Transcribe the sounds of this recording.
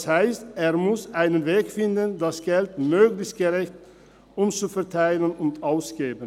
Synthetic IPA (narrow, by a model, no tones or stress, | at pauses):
shaɪsteːɐmʊsʔaɪnənveːkfɪndəndasɡ̥ɛltmøːɡlɪçst̚ɡ̥əʁɛçt | ʔʊmt͡sufɛɐtʰaɪlənʊntʔaʊsɡ̥eːbən